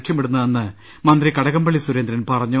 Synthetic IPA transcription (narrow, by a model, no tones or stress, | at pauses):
ʈʂjɐmpiɽunːɐenːɨ | mɐnd̪rikɐɽɐɣɐmbɐɭːisuɾend̪ɾɐnpɐrɐɲːu